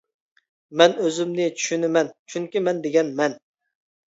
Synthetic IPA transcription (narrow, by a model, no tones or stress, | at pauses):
mɛnøzymnɪt͡ʃʰy̥ʃynɪmɛnt͡ʃʰyŋkʲimɛnd̪eɡʲɛnmɛn